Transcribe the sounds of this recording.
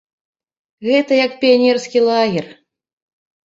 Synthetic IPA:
ɣɛt̪ɐjɐkpʲijanʲɛrskʲilˠaɣʲɛr

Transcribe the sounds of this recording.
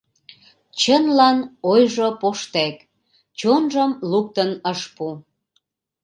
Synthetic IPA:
t͡ɕənlɑnojʒopoʃt̪æk | t͡ɕonʒəmluk̚t̪ənəʃpu

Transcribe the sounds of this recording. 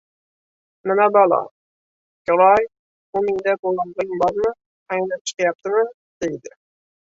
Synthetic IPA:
nɪmɛbɑlˠɑ̰ | kʲoɾɑj | ʊmɪŋd̪ɛbolˠɑnd̪ɨŋbɑɾmɨ | ɛjnɪp̚t͡ʃʰə̥qɨjɑp̚t̪ɨmɨ | d̪̥ejd̪ɪ

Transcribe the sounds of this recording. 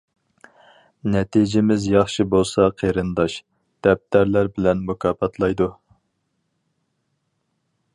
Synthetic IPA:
nɛt̪ʰid͡ʒɪmɪzjɑχʃibolˠsɑqʰeɾɨnd̪ɑʃ | d̪̥ɛp̚t̪æɾlæɾbɪlɛnmukʰɑːpɑt̪ʰlˠɑjd̪u

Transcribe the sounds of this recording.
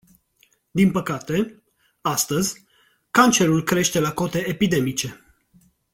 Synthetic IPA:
d̪inpəkat̪e̞ | ast̪əzʲ | kant͡ʃe̞ɾulkɾe̞ʃt̪e̞lako̞t̪e̞epid̪e̞mit͡ʃe̞

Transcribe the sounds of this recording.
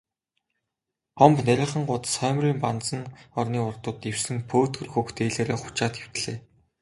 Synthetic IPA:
ɔmpnæɾʲɪ̆ɴχə̆ŋɢʊt̪sχœːmriːmpant͡sə̆nɔrniːʊrt̪ʊ̆t̪ːew̥sɘ̆ŋpʰoːt̪ɡɵ̆rxɵkt̪eːɮeːɾeːχʊ̥t͡ɕaːt̪xew̥t̪ɮeː

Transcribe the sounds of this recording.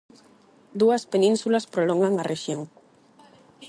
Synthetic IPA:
d̪uɐspenĩnsulɐspɾolɔŋɡaŋarʔeʃjoŋ

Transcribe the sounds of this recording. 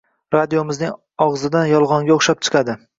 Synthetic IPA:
ɾad̪ijomɪznɪŋ | ɒʁzɪd̪anjɒlˠʁɒŋɡʲaʊχʃap̚t͡ʃʰɨ̥qʰɑd̪ɪ

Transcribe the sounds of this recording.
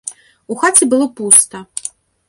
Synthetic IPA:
uxat͡sʲibɨlˠɔpust̪ɐ

